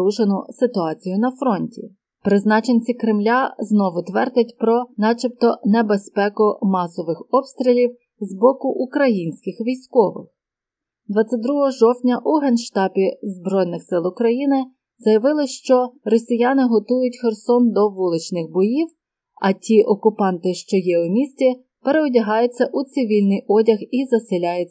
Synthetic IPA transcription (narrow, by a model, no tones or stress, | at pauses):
uʃenʊsɪt̪ʊɑt͡sʲijʊnɐfɾɔnʲtʲḭ | pɾɪznɑt͡ʃenʲt͡sʲikɾɪmlʲaznɔʋʊt̪ʋɛrd̪ʲɐtʲpɾɔnɑt͡ʃip̚t̪ɔnebespɛkʊmɑsɔʋɪxɔpst̪ʲɾʲilʲiw | zbɔkʊʔukɾɐjinʲsʲkɪxʋʲijsʲkɔʋɪ̰x | d̪ʋɑt͡sʲːɐt̚ʲd̪ɾuɦɔɦɔʒɔwtʲnʲɐʔuɦɛnʃt̪ɑpʲizbɾɔjnɪxsɪlˠʊkɾɐjinɪ | zɐjɐʋɪlˠɪʃt͡ʃɔrɔsʲijɑnɪɦɔt̪ujʊtʲxersɔnd̪ɔʋulˠɪt͡ʃnɪxbɔjiw | ɐtʲiʔɔkʊpɑnt̪ɪʃt͡ʃɔjɛʊmʲisʲtʲi | peɾeɔdʲɐɦɑjʊt͡sʲːɐʔut̪sɪʋʲilʲnɪjɔdʲɐxizɐsɪlʲajɛ